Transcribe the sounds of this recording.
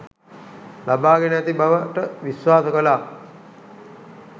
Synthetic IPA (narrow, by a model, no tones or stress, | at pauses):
labaːɡenæt̪ibaʋəʈəʋisʋwaːsəkəlaː